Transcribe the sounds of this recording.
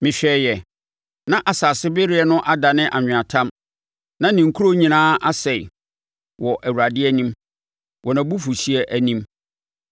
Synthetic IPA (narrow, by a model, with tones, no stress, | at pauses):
mɪ̃˨ɕᶣɛː˨jɛ˨ | nã˦ʔa˨saː˨sɪ˦be˦ɾɪ˦ɛ˨nʊ̃˦ʔa˦da˨nɪ̃˦ʔa˨ɲᶣɪ̃˨ã˨tʰã˦m | nã˦nĩ˨ŋ̩˨kʰu˦ɾo˦ɲĩ˨nãː˦ʔa˦sɛ˨ɪ̰˨ | wɔ˨ʔæ˨wu˨ɾa˨dɪ˦ɛ˦nĩ˦m | wʔɔ˨nã˨bu˦fu˨si˦ɛ˦ʔæ˨nĩ˦m